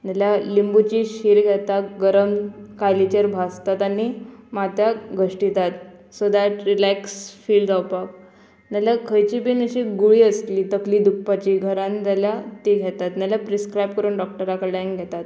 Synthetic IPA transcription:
naljalimbut͡ɕiːɕiːɾɡʱɛt̪at̪ɡəɾəmkajlit͡ɕəɾbʱast̪at̪animat̪jaɡʱəʂʈit̪at̪sod̪aʈɾilɛksfiːldawpak | naljakʰəjt͡ɕiːbiːnəɕiːɡuɭiːəst̪liːt̪əkliːd̪uk̚pat͡ɕiːɡʱəɾãnt̪aljat̪iɡʱɛt̪at̪naljapɾiskɾajp̚kəɾuːnɖɔk̚ʈəɾakəɖaŋkɡʱɛt̪at̪

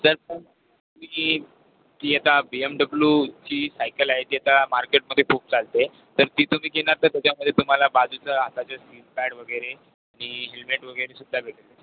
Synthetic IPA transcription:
d͡zəɾsəm | umiː | t̪iːat̪abiemɖəbljut͡ɕiːsajkəlaɦet̪iːat̪amaɾkeʈ̚məd̪ʱjepup̚t͡salt̪e | t̪əɾt̪iːt̪um̤iːkenaɾt̪əɾt̪jat͡ɕaməd̪ʱjet̪um̤alabad͡zut͡səɦat̪at͡ɕasilpaɽʋəɡəjɾe | aɽ̃iɦelmeʈʋəɡəjɾesud̪ʱːabʱeʈəle

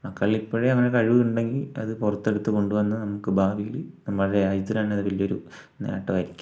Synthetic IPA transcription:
mɐkːɐɭilipːoːɻeɐŋːɐnekɐɻiʋuuɳɖe̞ŋɡilɐ̰ðɨpurɐt̪ːe̞ɽut̪ːɨko̞ɳɖuʋɐnːɐnɐmukːɨbʱaːʋijilnɐmːɐɭuɽeɐjit̪ːɐlaːɳɐðɐpilːijoɾṵ | nḛːʈːɨʋɐɾikʲːu̥

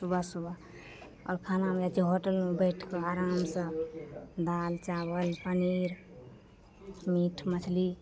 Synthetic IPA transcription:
subʱasubʱa | ɔ̰ɾkʰanameat͡ʃiɦoʈəlmebəjʈʰkeaɾamsə̃ | d̪alt͡ʃabəlpəniɾ | miʈʰmət͡ʃʰli

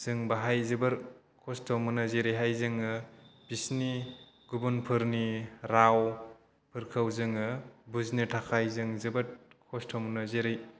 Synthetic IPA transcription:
z̥ɯŋbaɦajzɯbɯɾ | kʰɔstʰɔmɯnɯzeɾijɦajzɯŋɯb̥isni | ɡubunpʰɯɾniɾaw | pʰɯɾkʰɐwzɯŋɯbuznitʰakʰajzɯŋzɯbɯɾkʰɔstʰɔmnɐzeɾɯj

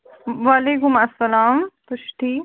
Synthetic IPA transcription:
ʋaːleːkʊmɐsːɐlaːmpʊʃʈʰiː

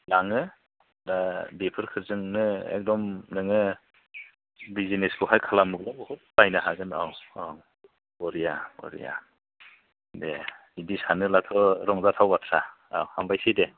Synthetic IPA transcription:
laŋɯ | dadepʰɯɾkʰɯɾzɯŋnɯɛ̰k̚dɔmnɯŋɯ | bizineskʰɔɦajkʰalamuk̚labɔhɔt̚bajnɯɦaɡɯna̰waw | bɔɾijabɔ̰ɾḭja̰ | de | idisanɯlatʰɔɾɔŋzatʰawbatʰɾaa̰whambajsijde

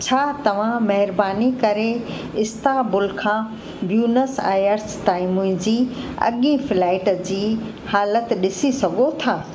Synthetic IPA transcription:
t͡ɕʰaːt̪ɐʋ̤ãmɐɦɪɾbaːnikɐɾe | ɪst̪aːbʊlkʰãː | bjuːnəsa̰ːjəɾsʈaːɪmũd͡ʑiːɐ̰ɠĩfɪlaːɪʈd͡ʑiː | haːlət̪ɗɪsisɐɡʱot̪ʰaː

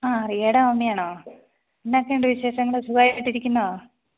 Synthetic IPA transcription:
aːrieɽɐmomːijaːɳoː | inːakːeɳɖɨʋiɕeːɕɐŋːɐɭɨsuɡaːjiiʈːiɾikʲːunːɐo

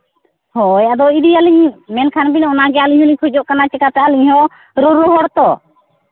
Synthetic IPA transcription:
hɔjad̪ɔidialiɲmɛnkʰanbinɔnaɡɛaliɲhɔliɲkʰɔd͡ʒɔʔkanat͡ʃɛkat̪ɛʔaliɲhɔ | ɾuɾɔɦɔɽt̪ɔ

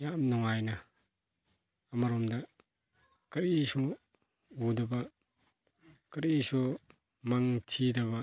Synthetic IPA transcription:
jamnɔŋajnɐ | maɾɔmdɐ | kɐɾisɔ | udɐbɐ | kɐɾisɔ | maŋtʰidɐβɐ

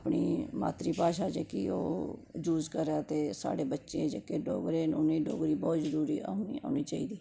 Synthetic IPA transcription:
pɳiːma̰ːt̪ɾiːpaːʃaːd͡ʒeːkḭoːd͡ʒuːzkəɾaːt̪eːsa̰ːɽeːbətːʃeed͡ʒekeːɖo̰ːɡɾeːnʊniːɖo̰ːɡɾiːbɔːt̪zəɾuːɾiːaːʊniːa̰ːniːt͡ʃaːiːd̪iː

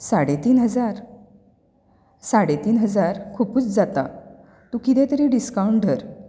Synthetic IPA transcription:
saɽet̪iːnɦəd͡zaɾ | saɽet̪iːnɦəd͡zaɾkʰupuːt͡sd͡zat̪a̰ | t̪ukit̪ɛ̃t̪əɾiːɖiskawɳʈ̚ɖʱəɾ

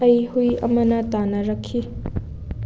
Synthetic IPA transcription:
ɐjhujɐ̰mɐnɐtanɐɾɐkʰːi

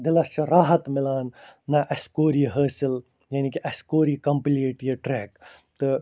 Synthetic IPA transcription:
d̪ɪlɐst͡ʃʰɐɾaːɦɐt̪mɪlaːnːɐʔɐskoːɾiːɦəːsil | janikiʔɐskoːɾiːkɐmpliːʈjiʈɾeːk | t̪ɨ

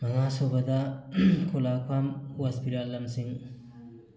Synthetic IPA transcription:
mɐŋasobɐdɐkʰolakʰamwaspiɾalːɐmsiŋ

